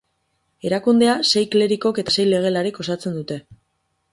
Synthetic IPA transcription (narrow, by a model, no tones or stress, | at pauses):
e̞ɾakund̪e̞ase̞jkle̞ɾiko̞ke̞t̪ase̞jle̞ɣ̞e̞laɾiko̞sat͡se̞nd̪ut̪e̞